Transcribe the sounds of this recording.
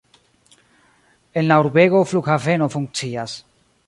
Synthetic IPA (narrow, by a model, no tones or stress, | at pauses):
e̞nlauɾbe̞ɡo̞flukhave̞no̞fuŋk̚t͡sias